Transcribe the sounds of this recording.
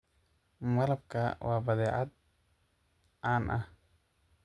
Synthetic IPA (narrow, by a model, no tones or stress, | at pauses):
mɐlɐb̚kʰɐwɑːbɐðɛːʕad̪̚ | ʔaːnʔɐh